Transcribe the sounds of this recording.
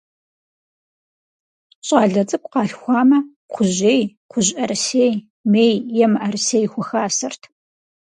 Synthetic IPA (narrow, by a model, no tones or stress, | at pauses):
ɕʼɑːɮɐd͡zʼɨkʷʼqɑːɬxʷɑːmɐ | qʷʰʊʑeːj | qʷʰʊʑʼɐrseːj | meːjːɛmʔɐrseːjxʷʊxaːsɐrtʰ